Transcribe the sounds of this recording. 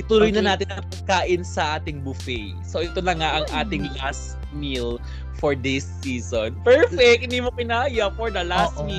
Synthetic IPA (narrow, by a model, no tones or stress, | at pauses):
ʔɪt̪uɾʊjnɐnaːt̪ɪnɐpɐɡ̚kaːʔɪnsɐʔaːt̪ɪŋbʊfɛj | soʔɛt̪onɐŋaʔɐŋʔaːt̪ɪŋlastt̪̚ | mil | foɹd̪ɪsːiːsonpɛɹfɛk̚ʔɪnd̪iːmokɪnajɐfoɹd̪ɐlasmi